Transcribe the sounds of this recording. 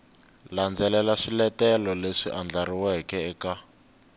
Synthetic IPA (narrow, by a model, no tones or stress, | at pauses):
land͡zɛlɛlaʂilɛtɛlɔleʂiʔand͡ɮaɾiwɛkɛɛka